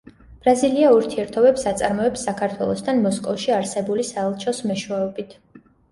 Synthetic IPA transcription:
b̥ɾaziliauɾt̪ʰiɛɾt̪ʰɔbɛpsat̪sʼaɾmɔɛpsːakʰaɾt̪ʰwɛ̰lˠɔst̪ʰanmɔskʼɔfʃiaɾsɛbulisaɛlˠt͡ʃʰɔsmɛʃwɛɔbit̪ʰ

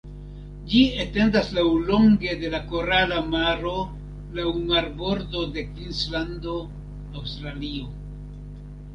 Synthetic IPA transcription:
d͡ʒiete̞ndaslawlo̞ŋɡe̞de̞lako̞ɾalamaɾo̞ | lawmaɾbo̞ɾdo̞de̞kinslando̞ | awstɾalio̞

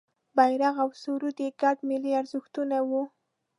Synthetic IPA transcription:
bajɾaɣawsuɾud̪eɡaɖmɪliaɾzɪxt̪unawu

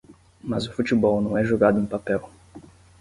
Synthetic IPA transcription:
mɐzʊfut̪ibɔwnɐ̃w̃ɛʒoɡad̪ʊẽpapɛw

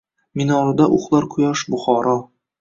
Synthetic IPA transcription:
minɒɾɨd̪aʔʊχlˠaɾqʰʊjɑʃbʊχɒɾɒ

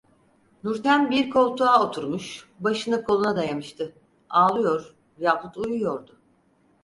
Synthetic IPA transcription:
nuɾt̪ʰænbiɾkʰo̞lˠt̪ʰuao̞t̪ʰuɾmuʃ | baʃɯnɯkʰolˠunad̪ajamɯʃt̪ʰɯ | aːlˠɯjo̞ɾ̥ | jaːput̪ʰujujo̞ɾd̪ʊ

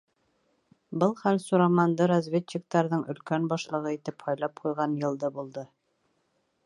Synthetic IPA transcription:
bɤlˠχælsuɾɑmɑnd̪ɤɾɐzvʲet̪t͡ɕːik̚t̪ɑɾðɤɴʔɵ̆lkænbɑʃlˠɤ̆ʁɤit̪ɘphɑjlˠɑp̚qujʁɑnjɤ̆lˠd̪ɤbulˠd̪ɤ

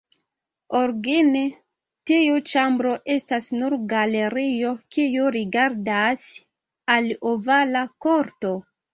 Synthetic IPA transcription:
oɾɡine | tiut͡ʃambɾo̞ʔe̞stasnuɾɡale̞ɾijo̞kijuɾiɡaɾdas | alovalako̞ɾto̞

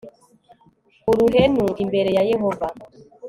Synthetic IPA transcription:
uɾuɦenuimbeɾejajeɦɔva

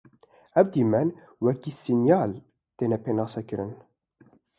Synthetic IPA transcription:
ɛvd̪iːmɛn | wɛkiːsinjaːl | t̪eːnɛpʰeːnɑːsɛkɨɾɨn

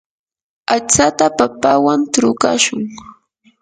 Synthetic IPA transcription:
at͡sat̪apapawant̪ɾʊka̰ʃʊŋ

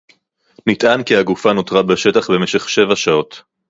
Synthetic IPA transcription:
nitʔankiaɡufano̞t̪ʁabeʃe̞taχbe̞me̞ʃe̞χʃe̞vaʃao̞t

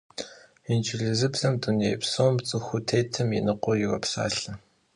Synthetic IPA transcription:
int͡ʃʰʼɪɮzɨbz̥ɐmdunejpsoːmt͡sʼɨxʷʊtʰeːtʰɨmjḭnɨqʷɔjɪrɐ̰psa̰ːɬɐ

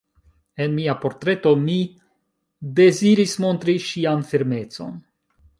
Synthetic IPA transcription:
e̞nmiapo̞ɾtɾe̞to̞mi | de̞ziɾismo̞nt̪ɾiʃianfiɾme̞t͡so̞̰n

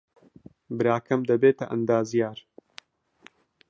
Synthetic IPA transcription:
bɨɾaːkʰɐmd̪ɐbeːt̪ɐʔɐ̰nd̪aːzijaːɾ

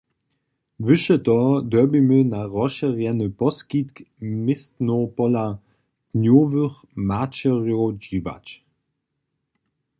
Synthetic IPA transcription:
vʏʃətɔd̪œbimənaʁɔʃəʁjɛnəpɔskitkmɪstnopɔla | knjoːvøχ | mat͡ʃəʁjod͡ʒiva̰t͡ʃ

